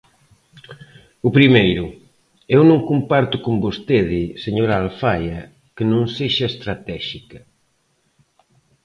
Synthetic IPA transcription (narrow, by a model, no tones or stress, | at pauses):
ʊpɾimejɾʊ | ewnõŋkumpaɾt̪ʊkombost̪eðɪseɲoɾaːlfajɐ | kɪnõŋseʃɐest̪ɾat̪ɛʃikɐ